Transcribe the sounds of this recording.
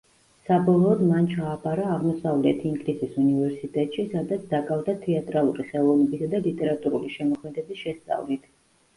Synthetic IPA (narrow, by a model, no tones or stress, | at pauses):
sabɔlˠɔːd̪mant͡ʃʰaːpʼaɾaːʁmɔsavlɛt̪ʰiŋɡlisisunivɛɾsit̪ʼɛt̪ʼʃisad̪at̪sʰd̪akʼavd̪at̪ʰɛat̪ʼɾalˠuɾiχɛlˠɔvnɛbisad̪alit̪ʼɛɾat̪ʼuɾuliʃɛmɔkʰmɛd̪ɛbisʃɛst̪sʼa̰vlit̪ʰ